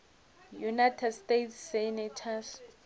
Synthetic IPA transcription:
junajtʰɛdstetʰsːɛnɛtʰas

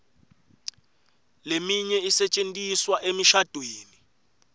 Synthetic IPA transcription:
lemiɲɛisɛt͡ʃʼentʼiswaʔemiʃad̥ʱweːni

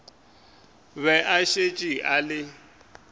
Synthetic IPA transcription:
βɛʔaʃet͡ʃʼiʔalɪ

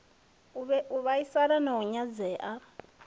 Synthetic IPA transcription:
βɛʔuβaisaɾanɔɔɲad͡zɛːʔa

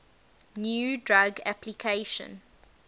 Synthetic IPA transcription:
njuːdɹaɡa̰pʰlikʰeʃɔ̰̃n

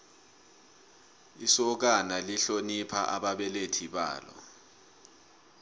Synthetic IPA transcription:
isɔk̬analiɬonipʰa̰ʔaɓaɓɛletʰiɓa̰ːlɔ̰

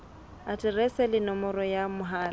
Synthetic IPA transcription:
atʼɪrɛsɛlɪnɔmɔrɔjamʊɦaːla

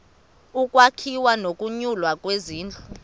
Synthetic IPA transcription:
ukʼwakʰiwanokʼuɲulwakʼweziːnd͡ɮʱu

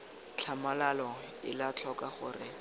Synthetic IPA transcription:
t͡ɬʰamalalɔ | ɪlat͡ɬʰɔkaχʊ̰rɪ

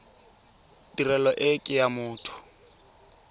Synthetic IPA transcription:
dirɛlɔʔɪkʼɪjamʊːtʰʊ̥

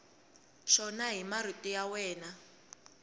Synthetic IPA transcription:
ʃɔnaɦimar̤itʼijawɛːna

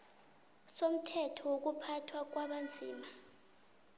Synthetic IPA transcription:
som̩tʰɛtʰɔwok̬upʰatʰwak̬waɓand͡zʱḭːma

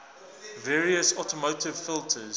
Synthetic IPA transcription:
vɛːɹiəsɔtəmoʊtɪv̥fɪlˠtʰəz

